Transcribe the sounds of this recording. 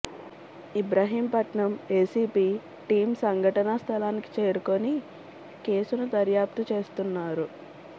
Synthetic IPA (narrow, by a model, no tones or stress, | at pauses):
ibɾaːɦiːmpɐʈɳɐmeːsiːpiː | ʈiːmsɐŋɡʱɐʈɐnɐst̪ʰɐlaːniki̥t͡ʃe̞ːɾukoni | ke̞ːsunud̪ɐɾjaːp̚t̪ut͡ʃe̞ːst̪unːaːɾu